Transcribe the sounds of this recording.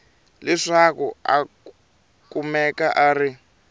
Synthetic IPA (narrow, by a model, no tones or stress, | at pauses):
lɛʂakua̰ | kumɛkaʔari